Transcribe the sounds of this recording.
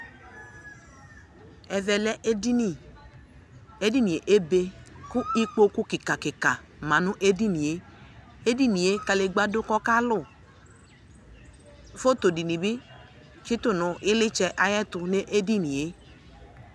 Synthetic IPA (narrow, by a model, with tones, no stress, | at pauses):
ɛ˨vɛ˨lɛ˦ʔdi˦ni˦˨ | e˦di˦nĩ˨e˨ʔe˦be˧kʊ˦i˦k͡po˦kʊ˦kɪ˨ka˨kɪ˨ka˨ | mã˨nʊ̃˦ʔe˦di˦ni˨e˦ | e˦di˦ni˨e˦ka˨le˨ɡ͡ba˦dʊ˦kɔ˦ka˦lʊ˦˨ | fo˦t̪o˨di˨nĩ˨bi˦ | ki˦t̪ʊ˦˨nʊ̃˨ʔɪ˦lɪ˦t͡ʃɛ˦ʔa˨jɛ˦t̪ʊ˧ne˦ʔe˦di˦ni˨je˦